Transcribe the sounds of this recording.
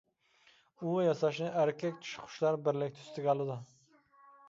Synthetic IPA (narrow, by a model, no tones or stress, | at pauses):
ujɑsɑʃnɨʔæɾkʲʰɛkʲt͡ʃʰy̥ʃqʰʊ̥ʃlˠɑɾbɪɾlɪkʲt̪ʰy̥st̪ʰɪɡʲɑlˠɨd̪u